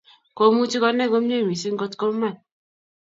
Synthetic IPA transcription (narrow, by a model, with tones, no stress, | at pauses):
ko˦mu˦t͡ʃi˦kɔ˦nɛ˦˨ko˦m˦ɲ˦e˦˨mi˨si˦ŋ̩˦ɡo˦tko˦m˦ma˦˨n